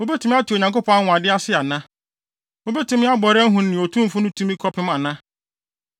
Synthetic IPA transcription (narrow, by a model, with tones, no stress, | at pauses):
o˦bɛ˦tʰu˦m̃˦a˦tʰu˨o˨ɲã˨ŋko˦pʰɔ̃˦a˦hʊ̃˨a˨dɪ˦a˦sɪ˦a˨nã˦ | o˦bɛ˦tũ˦mɪ̃˦a˦bɔ˨ɾɛ˦ɦũ˨nː˨nɪ̃˨o˨tʰũ˦˨fʊ˦nʊ̃˦tʰũ˦mĩ˦kʰɔ˦pʰɪ˦mã˨nã˦